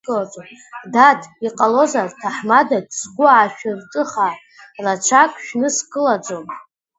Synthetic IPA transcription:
kʼɨlad͡zomdatʰiqʼalo̞zartʰaħmadadsɡʷʊʕaʃᶣɪrtʼɨχa | rat͡ʃʷʰakʷʼʃᶣnɨskʼɨlad͡zom

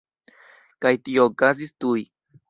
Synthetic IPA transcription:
kajt̪iokaz̬ist̪uj

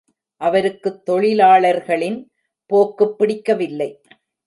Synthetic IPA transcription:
ʔɐʋɐɾɯkːɯt̪ːɔɭɪlaːɭɐɾɣɐɭɪn | poːkːɯpːɪɽɪkːɐʋɪlːɐɪ

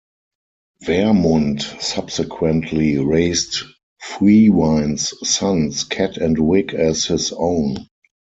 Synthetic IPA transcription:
vɛmɔ̃ntsab̥sɛkʰwɛ̃ntʰliɹeɪst | fɹiːwãɪ̃nssãnskʰætʰɛ̃ntwɪkʰɛshɪsõʊ̃n

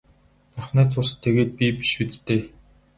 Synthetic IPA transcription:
pæχnæːt͡sʰʊs̆t̪ʰːeɣeːt̪̚pʲipi̥ʃut͡st̪eː

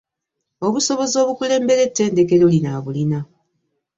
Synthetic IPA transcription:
o̞βuso̞βo̞zo̞ːβukule̞ːmbe̞ɾe̞tːe̞ːnde̞ke̞lolinaβulina

